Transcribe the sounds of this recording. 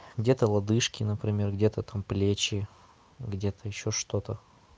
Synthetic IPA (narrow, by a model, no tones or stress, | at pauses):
ɡdʲe̞t̪əlˠɐd̪ɨʂkʲɪnəpɾʲɪmʲe̞rɡdʲe̞t̪ət̪amplʲet͡ɕɪ | ɡdʲe̞t̪əɪɕːoʂt̪o̞t̪ə